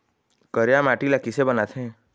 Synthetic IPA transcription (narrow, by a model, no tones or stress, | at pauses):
kəɾjamaʈilakɪsebənat̪ʰɛ̃ː